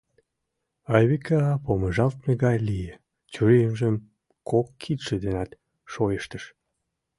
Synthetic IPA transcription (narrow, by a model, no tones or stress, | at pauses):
ɑjβikʰɑpoməʒɑlt̪meɣɑjlije | t͡ɕyɾejəmʒəm | kʰokːʰit̪ʃĕd̪enɑt̪ | ʃojəʃt̪əʃ